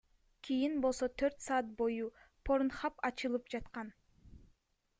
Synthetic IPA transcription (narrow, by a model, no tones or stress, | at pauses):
kʲʰijinbo̞lˠso̞t̪ʰøɾt̪sɑːt̪̚bo̞jupʰo̞ɾnχɑpɑt͡ʃɯlˠɯpd͡ʒɑt̪qɑn